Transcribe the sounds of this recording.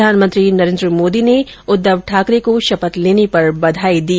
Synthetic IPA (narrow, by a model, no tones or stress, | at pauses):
aːnmə̃nt̪ɾinɐɾẽːnd̪ɾəmoːd̪ine | ʊd̪ːəʋʈʰaːkɾekoʃɐpət̪leːnepɐɾbɐd̪ʱaːid̪iː